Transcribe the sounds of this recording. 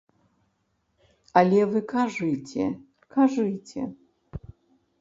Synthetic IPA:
alʲɛvɨkʰaʐɨjt͡sʲʰɛ̰ | kʰaʐɨjt͡sʲʰɛ̰

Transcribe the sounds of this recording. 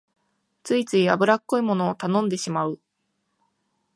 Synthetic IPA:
t͡sɨit͡sɨiabɯ̟ɾakːo̞imo̞no̞ːt̪anõ̞nd̪e̞ɕimaɯ

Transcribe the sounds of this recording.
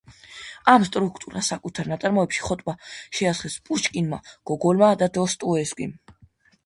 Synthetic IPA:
amst̪ʼɾukʰt̪ʼuɾa̰sakʼut̪ʰaɾnat̪sʼaɾmɔɛpʃi̥χɔt̪ʼmaʃɛasχɛspʼuʃkʼinma̰ɡ̥ɔɡɔlmad̪ad̪ɔst̪ʼuɛskʷʼḭm

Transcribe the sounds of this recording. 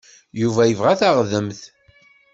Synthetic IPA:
juvæjəvʁæθæʁðəmθ

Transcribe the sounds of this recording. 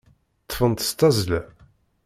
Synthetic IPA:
t̪ˤːfənt̪st̪ɑzlæ

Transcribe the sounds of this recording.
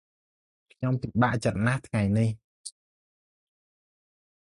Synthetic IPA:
kʰɲomt̪iɓaʔt͡ɕət̪̚naht̪ʰŋajnih

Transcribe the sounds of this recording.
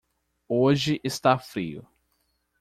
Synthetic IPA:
oʒɪʔɪst̪afɾḭʊ̰

